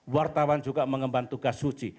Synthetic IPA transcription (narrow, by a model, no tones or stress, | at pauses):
wart̪awand͡ʒuɡaməŋəmbant̪uɡ̥asːut͡ʃi